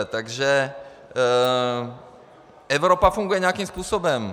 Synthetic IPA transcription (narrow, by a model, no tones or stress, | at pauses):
ɛt̪aɡʒɛ | ɛvɾopafuŋɡujɛɲɛakimspuːsobɛm